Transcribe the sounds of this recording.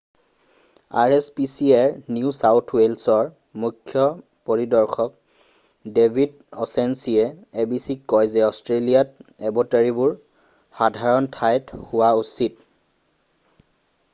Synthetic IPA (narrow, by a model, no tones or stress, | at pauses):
a̰ɹespisiaɹniusawtʰwelsɔɹ | mukʰːjɔ | poɹidɔɹxʰɔk̚ | debʱid | ɔsensiɛebisikːɔjzɛɔstɹelijat̚ɛbɔtaɹibʊɹ | xadʱaɹɔntʰajthʊwausit̚